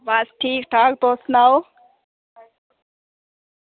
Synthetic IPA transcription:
ʋasʈʰiːkʈʰaːk̚t̪osnaw

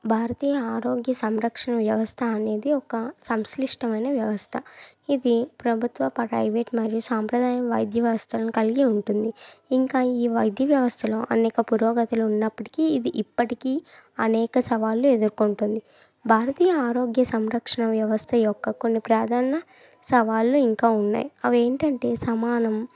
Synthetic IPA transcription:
bʱaːɾɐt̪iːjɐaːɾo̞ːɡjɐsɐmɾɐkʂɐɳɐʋjɐʋɐst̪ʰɐːne̞ːd̪iɔkɐsɐmsliʂʈɐmɐjnɐʋjɐʋɐst̪ʰɐ | id̪ipɾɐbʱut̪ʋɐpɐɾɐ̰jʋeʈmɐɾijusaːmpɾɐd̪aːjɐmʋɐ̰jd̪ʱjɐʋjɐʋɐst̪ʰɐlɐnikɐliɡiuɳʈund̪iiŋkaːiːʋɐjd̪ʱjɐʋjɐʋɐst̪ʰɐlo̰ːʔɐnɛːkɐpuɾoːɡɐt̪ɐluunːɐpːɐʈi̥kiːid̪iʔipːɐʈikiː | ɐnɛːkɐsɐʋaːlːue̞d̪uɾkuɳʈund̪i | bʱaːɾɐt̪iːjɐaːɾoːɡjɐsɐmɾɐkʂɐɳɐʋjɐʋɐst̪ʰɐjɔkːɐko̞nːipɾaːd̪ʱaːnɐ | sɐʋaːlːuiŋkaːunːa̰ːjiɐʋe̞ːɳʈɐɳʈe̞ːsɐmaːnɐm

